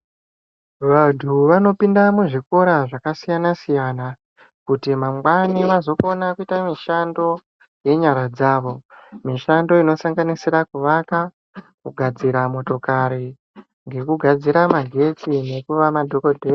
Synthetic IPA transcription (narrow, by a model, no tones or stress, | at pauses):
ʋantʰuʋano̞pindamuʐiko̞ɾaʐakasijanasijana | kutimamɡwaniʋazo̞konakuitamiʃando̞ | je̞ɲaɾad͡zaːʋo̞miʃando̞ino̞saŋɡanisiɾakuʋaka | kuɡʱad͡ziɾamo̞to̞kaɾi | ŋɡe̞kuɡʱad͡ziɾamaɡʱe̞t͡sine̞kuʋamadʱo̞kodʱer